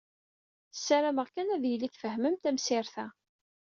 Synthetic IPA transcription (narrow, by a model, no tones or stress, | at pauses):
sːæɾæməʁkːænæðjliθfəhməmt̪æmsɪɾθæ